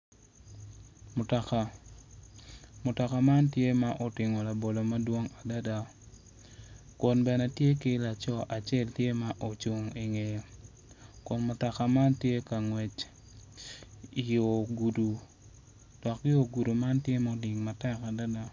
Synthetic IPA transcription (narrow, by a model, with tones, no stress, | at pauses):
mʊ˨tɔ˨ka˨ | mʊ˨tɔ˨ka˨ma˦ntje˦ma˦ʔo˨tɪ˨ŋo˨la˨bo˨lo˨ma˦dwo˦ŋa˨da˦da˦ | ko˨nbɛ˨nɛ˨tje˦kɪ˦la˨t͡ʃɔ˦ʔa˨t͡ʃɛ˦ltje˦ma˦ʔo˨t͡ʃu˨ŋi˨ŋe˨jo˨ | kʊ˨nmʊ˨tɔ˨ka˨ma˦ntje˦ka˨ŋwɛ˨t͡ʃ | i˨jo˨ɡu˨du˨ | d̥ɔ˨kːɪ˦o˨ɡu˨du˨ma˦ntje˦mao˦di˨ŋma˨tɛ˦ka˨da˦da˦